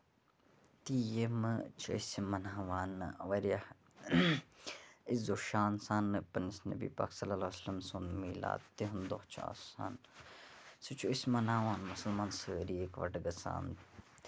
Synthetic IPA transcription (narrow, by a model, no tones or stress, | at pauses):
t̪ijemt͡ʃʰɐ̰isʲmɐnaːʋaːnʋɐɾjah | izoʃaːnsaːnpɐnisnɐ̰bḭːpa̰ːksɐlːɐlasɐlɐmsund̪miːla̰ːt̪iɦund̪oht͡ʃʰa̰ːsa̰ːn | sit͡ʃʰuismɐnaːʋaːnmʊsɐlmãːnsəːɾiekʋɐ̰ʈɡɐsa̰ːn